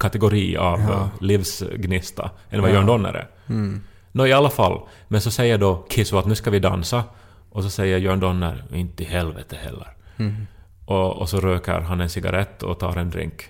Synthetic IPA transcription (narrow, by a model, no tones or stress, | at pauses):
kʰat̪ɛɡʊɾiːa̰vliːvsɡnɪst̪a̰ʔɛnvajœːɳd̪ɔnːə̰ɾɛ̰ | nɔɪalːafalː | mɛnsɔsɛjːəɖɔkʰɪsʊat̪nʉ̟ːskavɪd̪a̰nsa | ʔɔsɔsɛjːəɾjœːɳd̪ɔnːə̰ɾɪnt̪əɪhɛlvɛt̪ʰəhɛ̰lːə̰ɾ | ʔɔɔsɔɾøːkə̰ɾɦanːɛnsɪɡa̰ɾʔɛt̪ːɔ̰t̪ʰɑ̰ːɾɛnd̪ɾɪ̰ŋk